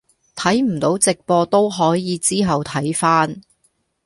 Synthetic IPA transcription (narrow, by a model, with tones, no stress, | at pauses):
t̪ʰɐ˨˥jm̩˨˩t̪o˨˥wt͡sɪ˨k̚pɔː˧t̪o˥wɦɔː˨˥jiː˨˧t͡siː˥ɦɐ˨wt̪ʰɐ˨˥jfaː˥n